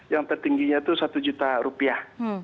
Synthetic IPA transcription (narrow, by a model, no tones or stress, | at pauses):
jaŋt̪ərt̪iŋɡiɲat̪usat̪ud͡ʒut̪aɾupiah